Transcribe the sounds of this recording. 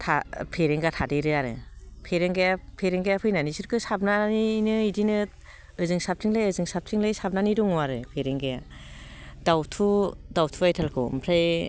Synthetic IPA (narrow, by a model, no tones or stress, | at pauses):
tʰa̰pʰeɾeŋɡatʰadɯɾɯaɾɯ̰pʰeɾeŋɡajapʰeɾeŋɡajapʰɯjnanisɯɾkʰɯsab̚naninɯidinɯ | ɯzɯŋsap̚tʰiŋlajɯzɯŋsap̚tʰiŋlajsap̚naniduŋuaɾɯpʰeɾeŋɡaja | dawtʰudawtʰuajtʰalkʰɯ̰mpʰɾaj